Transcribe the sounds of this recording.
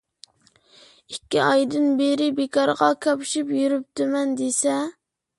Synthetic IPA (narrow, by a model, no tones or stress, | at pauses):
ikʲːiɑjd̪ɨnbeɾɪbekʰɑɾʁɑkʲʰɑpʃipjyɾyp̚t̪ɪmɛnd̪esɛ